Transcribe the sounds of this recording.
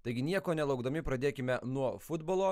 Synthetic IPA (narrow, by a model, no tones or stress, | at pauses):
t̪ɐɪɡʲɪnʲiɛkoːnʲɛlˠɐʊɡd̪ɐmʲɪpɾɐd̪ʲeːkʲɪmʲɛnuɔfʊd̪boːlˠoː